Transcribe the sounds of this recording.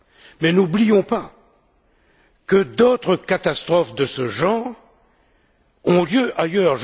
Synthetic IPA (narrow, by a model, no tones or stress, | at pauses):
mɛnublijɔ̃pa | kəd̪ot̪χəkat̪ast̪χɔfd̪əsəʒɑ̃ːʁ | ɔ̃ljøʔajœʁʒ